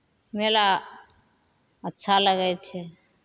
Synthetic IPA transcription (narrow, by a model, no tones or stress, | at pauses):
mela | ətːʃʰaləɡɛt͡ʃʰɛ